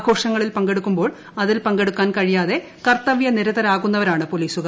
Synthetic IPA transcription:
ɡʱo̞ːʂɐŋːɐɭilpɐŋɡe̞ɽukːumbo̞ːɭ | ɐðilpɐŋɡe̞ɽukːaːnkɐɻijaːðe̞ | kɐrt̪ɐʋjɐniɾɐðɐɾaːɣunːɐʋɐɾaːɳɨpoliːsuɣɐ

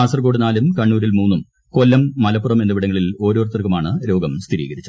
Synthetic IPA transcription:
aːsɐrko̞ːɽɨnaːlumkɐɳːuːɾilmuːnːum | kolːɐmːɐlɐpːurɐme̞nːɐʋiɽɐŋːɐɭilo̞ːɾoːrt̪ːɐrkːumaːɳɨɾo̞ːɡɐmst̪ʰiɾḭːɡɐɾit͡ɕːu

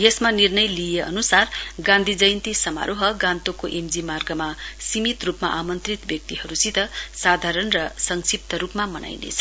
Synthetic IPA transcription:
jesmanirnʌjlijeʔʌ̰nusarɡãnd̪ʱid͡zʌjnt̪isʌma̰ɾʔoɦʌɡãnt̪okoʔemd͡zimarɡʌmasimit̪rupma̰ʔamʌnt̪rit̪bjʌk̚t̪iɦʌɾusit̪ʌsad̪ʱaɾʌnrʌsʌŋsip̚t̪ʌɾupmamʌnʔa̰jnḛt͡sʰʌ̥

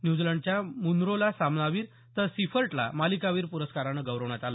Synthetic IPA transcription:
njud͡zləɳɖt͡ɕjamunɾolasamnaʋiːɾ | t̪əɾsifəɾʈla̰malikaʋiːɾpuɾəskaɾanəɡəʋɾəʋɳjat̪ala

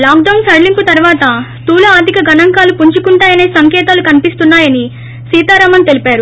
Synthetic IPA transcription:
laːkɖɐwnsɐɾlimput̪ɐɾuʋaːt̪ɐst̪uːlɐaːd̪ʱikɐɡɐnɐŋkaːlupuɲt͡ʃukuɳʈaːjɐneːsɐŋkɛːt̪aːlukɐnipist̪unːaːjɐni | siːt̪aːɾaːmɐnt̪e̞lipaːɾu

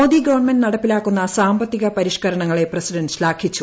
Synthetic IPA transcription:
oːd̪iɡɐʋɐɳmenɖnɐɽɐpːilaːkːunːɐsaːmbɐt̪ːiɣɐpɐɾiʂkɐɾɐɳɐŋːɐɭe̞prɐsiɖɐnɕlaːkʰit͡ɕːu

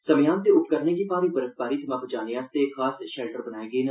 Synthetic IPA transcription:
sɐmjãːnt̪eʊp̚kəɾnekipaːɾibəɾəs̚baːɾit̪ʰɐmãːbʊd͡ʒaːnijãːst̪ekʰaːsʃɛːlʈəɾbənaːeːɡeːnɐ

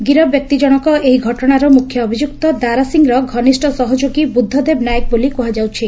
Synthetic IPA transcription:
ɡiɾɔbjɔk̚t̪id͡ʒɔɽ̃ɔkɔʔeɦiɡʱɔʈɔɽ̃aɾɔmukʰjɔːbʱid͡ʒuk̚t̪ɔd̪aɾasiŋɾɔɡʱɔnisʈɔsɔɦɔd͡ʒoɡibud̪ʱːɔd̪ebnajɔk̚bolikɔɦad͡ʒawt͡ʃʰi

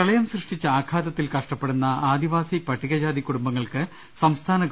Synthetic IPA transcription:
ɾɐɭɐjɐmsrɨʂʈit͡ɕːɐaːkʰaːd̪ɐt̪ːilkɐʂʈɐpːeɽunːɐaːd̪iʋaːsipɐʈʰːiɣɐd͡ʑaːd̪ikːuɽumbɐŋːɐɭkɨ | sɐmst̪ʰaːnɐ

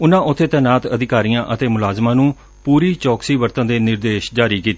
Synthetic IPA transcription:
ʊnãːʔʊt̪ʰːeːt̪ɛːnaːt̪əd̪ɪkaːɾijãːʔət̪eːmʊlaːzmãːnũː | puːɾiːt͡ʃɔːksiːʋəɾt̪ənd̪eːnɪɾd̪eːʃd͡ʒaːɾiːkiːt̪ː

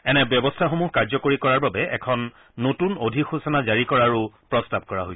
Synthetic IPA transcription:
ɛnɛbjɔbɔstʰaxomuɦkaɹzɔkoɹikɔɹaɹbabɛʔɛ̰kʰɔnː | otunodʱixusɔnazaɹikɔɹaɹupɹɔstab̚kɔɹa̰ɦojs

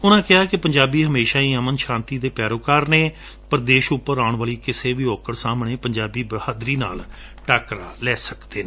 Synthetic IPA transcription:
ʊnãːkɪɦaːkɪpəɲd͡ʒaːbiːɦəmeːʃaːiːəmənʃãːnt̪iːd̪eːpɛːɾoːkaːɾneː | pəɾd̪eːʃʊpːəɾaːʊɳʋaːliːkɪseːʋiːɔːkəɽsaːmɳẽːpəɲd͡ʒaːbiːbəhaːd̪ɾiːna̰ːl | ʈaːkɾaːlɛːsəkd̪eːnː

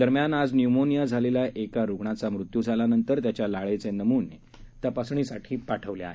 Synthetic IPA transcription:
d̪əɾmjanad͡znjumonijad͡zʱalelaʔekaɾuɡɳat͡samɾut̪ːjud͡zʱalanənt̪əɾt̪jat͡ɕjalaɭet͡senəmuːne | t̪japasɳiːsaʈʰiːpaʈʰəʋljaa̰ɦe

